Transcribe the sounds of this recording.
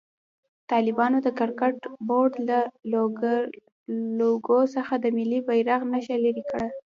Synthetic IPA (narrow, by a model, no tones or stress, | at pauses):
t̪ɑlɪbɑnod̪əkaɾkaʈboɖla | loɡosəxad̪əmɪlːibajɾaɣnaʃalaɾikəɽa